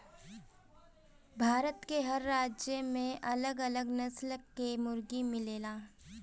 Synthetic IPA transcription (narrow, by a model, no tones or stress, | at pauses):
bʱaːɾət̪keɦɐɾːaːd͡ʒjəmẽʔɐləɡɐləɡnɐslkːemʊɾɡimɪleːlaː